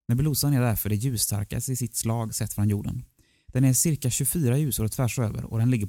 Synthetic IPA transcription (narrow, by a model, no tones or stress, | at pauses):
mɛbluːsanæɖæɾfœɖɛjʉ̟ːst̪ʰa̰ɾka̰sɪsɪt̪slɑːɡsɛt̪ːfɾɔnjuːɖə̰n | d̪̥ɛnæɾʂɪɾkaɕɵfyːɾajʉ̟ːsʊɾɔt̪ʰvæʂø̰ːvə̰ɾɔ̰d̪ɛnlɪɡːəɾ